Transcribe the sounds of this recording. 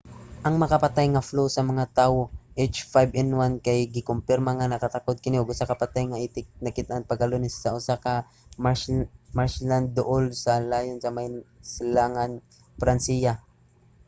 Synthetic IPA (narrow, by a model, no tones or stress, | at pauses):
ʔɐŋmɐkapat̪ajŋɐflowsɐmɐŋat̪aːwoʔet͡ʃfajbɛnwankajɡɪkʊmpɪɾmaŋanɐkat̪akod̪̚kɪnɪʊɡʊsakɐpat̪ajŋaʔiːt̪ɪk̚nɐkɪt̪ʔaŋpɐɡɐlonɪsːɐʔʊsaka | maɹsland̪ːʊʔolsɐlaːjʊnsɐmajsɪlaŋan | pɾansija